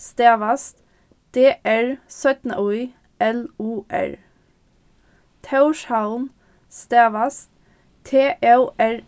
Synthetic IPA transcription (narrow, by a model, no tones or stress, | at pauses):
st̪eːʋɑst̪ | d̪̥eːʔæɹsœt̪n̩ɔɪ | ʔɛluːʔæ̰ɹ | t̪ʰɑʉʃhɑln | st̪eːʋɑst̪ | t̪ʰeːʔeʊæɹ